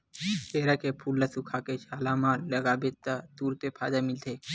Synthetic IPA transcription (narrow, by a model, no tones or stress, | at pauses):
peːɾakepʰulːasukʰaket͡ʃaːlamãləɡabet̪at̪uːɾt̪epʰaːd̪amɪlt̪ʰe